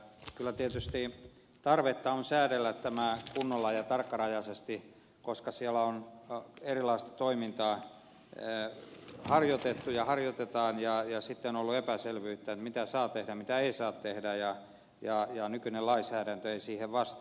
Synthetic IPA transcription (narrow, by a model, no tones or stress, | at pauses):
kylːæt̪iæt̪yst̪i | t̪ɑrʋet̪ːɑonsæːɾelːæt̪t̪æmækunːolːɑjɑt̪ɑrkːɑrɑjɑsest̪i | koskɑsiælæonerilɑist̪ɑ̥t̪oimint̪ɑː | hɑrjot̪et̪ːujɑhɑrjot̪et̪ɑːnjɑjɑsit̪ːeonolːuepæselʋyːt̪ːæet̪mit̪æsɑːt̪ehdæmit̪æeisɑːt̪t̪ehdæjɑ | jɑjɑnykynelɑisæːɾænt̪øeisiːheʋʋɑst̪ː